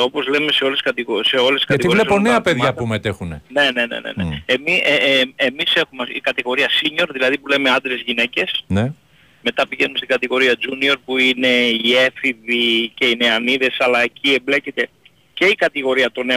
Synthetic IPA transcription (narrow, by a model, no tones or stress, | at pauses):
o̞po̞zle̞me̞seo̞leskɐt̪iɣose̞o̞lesiskɐtiɣivlilesponeɐpeðʝɐpumet̪exunene̞ne̞nḛnḛneemieemise̞xumeikɐt̪iɣo̞ɾiɐsiɲo̞ɾðilɐðipule̞me̞ɐnd̪ɾezʝine̞ce̞sne | me̞t̪ɐpiʝe̞numest̪iɡɐt̪iɣo̞ɾiɐd͡ʒunio̞ɾpuine̞ie̞fiðice̞ine̞ɐniðe̞sɐlɐeciemble̞ce̞t̪e̞ | ce̞ikɐt̪iɣo̞ɾiɐt̪o̞ne̞